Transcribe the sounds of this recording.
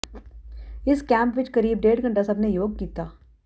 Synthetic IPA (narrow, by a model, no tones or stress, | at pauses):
ɪskɛ̃ːmpʋɪt͡ʃkɐɾiːb̚ɖeːʈɡʱɐ̃ɳʈasɐbnejoːɡ̚kiːt̪aː